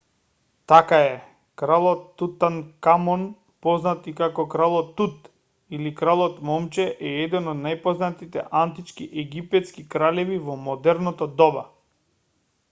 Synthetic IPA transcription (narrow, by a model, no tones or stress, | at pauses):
t̪akaɛ | kɾalˠɔt̪ːut̪ankamɔn | pɔznat̪ikakɔkɾalˠɔt̪ːut̪ | ilikɾalˠɔt̪mɔmt͡ʃɛʔɛɛd̪ɛnɔd̪najpɔznat̪it̪ɛ̰ʔant̪it͡ʃkiʔɛɡipɛt̪skikɾalɛvivɔmɔd̪ɛɾnɔt̪ɔd̪ɔba̰